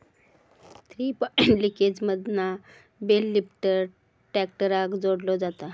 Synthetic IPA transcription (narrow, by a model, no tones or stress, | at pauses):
t̪ɾipliked͡zməd̪na | belːipʈəɾ | ʈɛk̚ʈəɾakd͡zoɽlɔd͡zat̪a